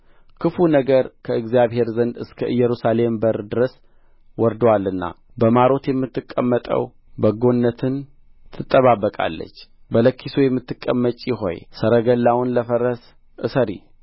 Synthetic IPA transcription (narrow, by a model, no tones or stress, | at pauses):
kʰɨfunəɡəɾkʰəɨɡzijaβhe̞ɾzənd̪ɨskʰəʔɨjːɛɾusale̞mbəɾd̪ɨɾəs | wɔɾd̪walːɨnːa̰ | bəmaɾo̞t̪jɛmːɨt̪ːɨkʼːə̰mːət̪ʼə̰w | bəɡo̞nːət̪ʰɨn | t̪ʰɨt̪ʼːəβaβːəkʼa̰lːə̰t͡ʃːbələkːisojɛmːɨt̪ːɨkʼːəmːət͡ʃʼːjɪɦo̞̰jsəɾəɡəlːawʊnləfəɾəs | ʔɨ̰səɾḭ